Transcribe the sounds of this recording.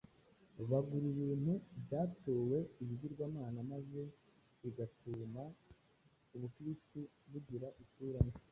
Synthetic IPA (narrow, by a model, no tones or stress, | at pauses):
βaɡuɾiβiːn̥hubɟaːtoːwe̞iβiɟiɾɡwaːmaːnamaze̞ | iɡatuma | uβukɾisti | βuɟiɾaʔisuːɾaɲe